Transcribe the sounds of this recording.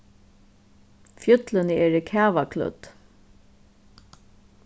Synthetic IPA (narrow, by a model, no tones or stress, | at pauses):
fjʊt̪lənəɛːɾɪkʰæːʋakʰlʏ̰t̪